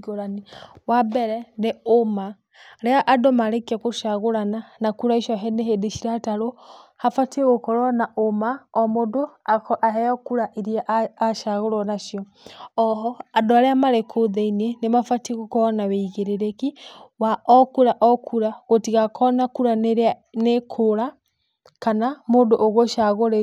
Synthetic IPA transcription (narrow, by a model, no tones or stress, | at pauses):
ɡoɾaniwabɛɾɛneoma | ɾɛaʔadɔmaɾekiakoʃaɣoɾananakuɾaiʃɔɦɛneɦedeʃiɾataɾohafatieɣokɔɾɔnaʔomaɔmodoaʔaɦɛɔkuɾaʔiɾiaʔaʃaɣoɾɔnaʃjɔ | ɔɦɔadɔaɾɛamaɾekʰoðeinienemafateɣokɔɔnaweiɣeɾeɾekiwaʔɔkuɾaʔɔkʰuɾaɣotiɣakʰɔnakuɾaneɾnekʰoɾa | kanamodoʔoɣoʃaɣoɾe